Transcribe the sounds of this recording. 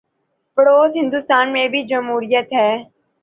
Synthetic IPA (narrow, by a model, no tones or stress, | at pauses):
bəɽoːzɦɪ̃nd̪ʊst̪aːnmẽbʱid͡ʒəmɦuːɾɪjət̪ɦɛː